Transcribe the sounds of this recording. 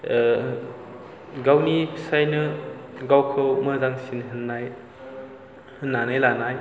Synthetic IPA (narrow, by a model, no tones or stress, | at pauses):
ɡawnipʰsajnɯɡawkʰɯwmɐdaŋsinɦɯnːaj | hɯnːanajlanaj